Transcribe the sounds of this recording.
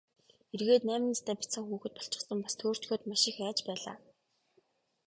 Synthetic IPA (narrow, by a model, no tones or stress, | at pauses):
erɣeːt̪næːmɪ̆nat̪ʰæːpʲit͡sə̆ŋxuːxɘ̆t̪̚pɔ̥ɬt͡ɕɪ̥̆χsə̆mpast̪ʰoːr̥t͡ɕxoːt̪maʃɪ̆xæːt͡ɕpæːɮa̰ː